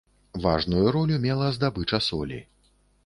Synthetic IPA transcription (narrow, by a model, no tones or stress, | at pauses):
va̰ʐnujuɾɔlʲumʲɛlˠɐzd̪abɨt͡ʂɐsɔ̰lʲḭ